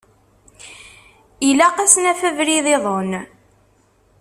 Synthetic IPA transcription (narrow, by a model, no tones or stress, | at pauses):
ilæqæsnæfəvɾiðeðˤon